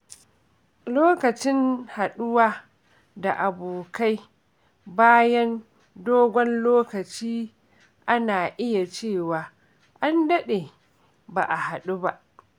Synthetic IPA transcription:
loː˦kɐ˨t͡ʃɪ˦nha˨ɗʊ˦waː˦ | da˨ʔa˨boː˨ka˦j | baː˦jɐ˦n | doː˦ɡʷɔ˦nloː˦kɐ˨t͡ʃiː˦ | ʔa˦naː˨ʔɪ˦ja˨t͡ʃeː˦˨waː˨ | ʔa˦ndɐ˦ɗe˨ | ba̰ː˨ʔa˨ha˨ɗu˦ba˦ʔ

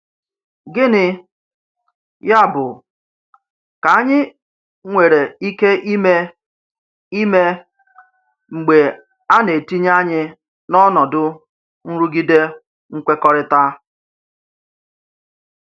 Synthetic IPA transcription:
ɡɪ˦nɪ˦ | ja˦bʊ˨ | ka˨a˦ɲɪ˦ | ŋʷe˨ɾe˨i˦ke˦ʔi˦me˦ | i˦me˦ | ŋ͡m̩˨ɡ͡be˨ | a˦ne˨ti˦ɲ˦a˦ɲɪ˦ | nɔ˦nɔ˨dʊ˦ | n̩˦ɾu˦ɡi˦de˦ | ŋ̩˦kʷe˦kɔ˦ɾɪ˦ta˦

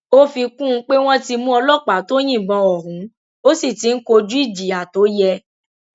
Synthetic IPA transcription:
o˦fi˧kũ˦˧˦k͡pe˦w̃ɔ̃˦ti˧mũ˦ɔ˧lɔ˦˨k͡pa˨˦to˦j̃ĩ˦˨ɡ͡bɔ̃˧ɔ˨ɾũ˨˦ | o˦si˦˨ti˨˦n̩˦ko˧d͡ʒu˦i˦˨d͡ʒi˨a˨to˨˦jɛ˧

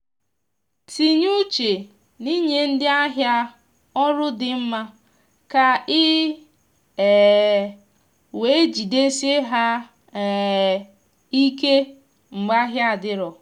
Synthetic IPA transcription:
ti˨ɲu˦t͡ʃe˨ | ni˦ɲe˨n̩˦dɪ˦a˦ɦja˦ | ɔ˦ɾʊ˦dɪ˨m̩˦ma˦ | ka˨ɪ˦˨ | we˨˦d͡ʒi˨de˦se˦ɦa˦˨ | i˦ke˦ | ŋ͡m̩˨ɡ͡ba˦ɦja˦a˨dɪ˦ɾɔ˨

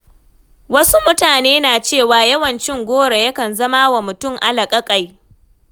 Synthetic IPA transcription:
wɐ˦su˦mʊ˦taː˨neː˦naː˨t͡ʃeː˦˨waː˨jɐ˦wɐ˨nt͡ʃɪ˦ŋɡʷoː˦ɽe˨jɐ˦kɐ˨nzɐ˦ma˦wa˨mʊ˨tʊ˦ŋʔa˦lɐ˨kʼɐ˦kʼa˨j

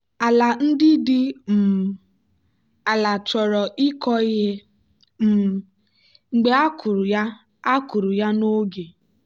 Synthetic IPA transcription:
a˨la˨n̩˦dɪ˦dɪ˦m̩˨ | a˨la˨t͡ʃɔ˨ɾɔ˨ʔi˦kɔ˦ɣɪ˦ | m̩˨ | ŋ͡m̩˨ɡ͡be˦a˦ku˨ɾja˦ | a˦ku˨ɾu˨ja˦no˦ɡe˨

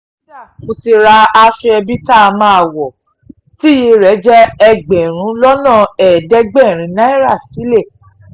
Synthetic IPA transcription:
o˧ti˧ɾa˧a˧ʃe˧ɛ˧bi˦ta˦˨˧mãː˦a˨wɔ˨ | ti˦je˧ɾɛ˨˦d͡ʒɛ˦ɛ˧ɡ͡bẽ˨ɾ̃ũ˨˦lɔ˦nã˦˨ɛ˨dɛ˨˦ɡ͡bɛ˦˨ɾ̃ĩ˨˧˦nã˦i˦ɾa˦˨si˨˦le˦˨

